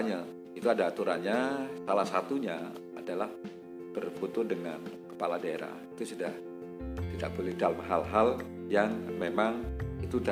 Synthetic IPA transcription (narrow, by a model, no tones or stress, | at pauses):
ɲa | it̪uadaːt̪uɾanɲasalahsat̪uɲa | adalah | t̪ərfut̪ʊdəŋa̰nkə̥paladaeɾa̰hit̪usudah | t̪ida̰ʔbulɪhdaləmɦalɦaljaŋmemaŋit̪uda